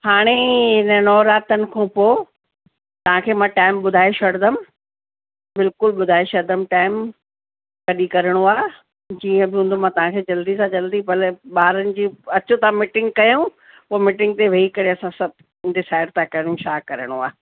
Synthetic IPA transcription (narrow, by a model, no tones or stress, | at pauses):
haːɽ̃eɦɪnənɔːɾaːt̪ənɪ̆kʰõːpoː | t̪ɐʋ̤ãkʰeːmãːʈaːɪmɓʊd̪ʱaːiʃɐɽd̪əm | bɪlkʊlɓʊd̪ʱaːiʃɐɾd̪əmʈaːɪm | kɐɗikɐɾəɽ̃uaː | d͡ʑiːə̃bɪɦũn̆d̪ʱomãːt̪ɐʋ̤ãkʰeːd͡ʑɐld̪isãd͡ʑɐld̪ipɐlɓaːɾənɪ̆d͡ʑiːɐt͡ɕõt̪ɐãmɪʈɪ̃ŋɡ̚kɐjõ | poːmɪʈɪ̃ŋɡ̚t̪eʋɐikɐɾeɐsãsɐb̚ | ɖɪsaːɪɽt̪ʰãkɐɽ̃ũʃaːkɐɾəɽ̃ua̰ː